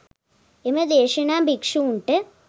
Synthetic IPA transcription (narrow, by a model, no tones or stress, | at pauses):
emɐd̪eːʂɐnaːmbʱikʂuuɳʈɨ